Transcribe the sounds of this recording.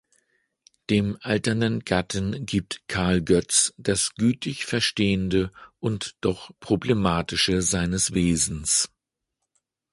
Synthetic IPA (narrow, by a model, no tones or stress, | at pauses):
d̥eːmʔaltɐnənɡatn̩ɡiːp̚tkʰaɐlɡœt͡sd̥asɡ̥yːtʰɪçfɛɐʃteːəndəʔʊntd̥ɔχpʁ̥oblemaːtɪʃəzaɪnəsv̥eːzn̩s